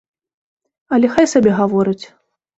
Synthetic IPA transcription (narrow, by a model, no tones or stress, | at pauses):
ɐlʲɛxajsabʲɛɣavɔɾɨt͡sʲ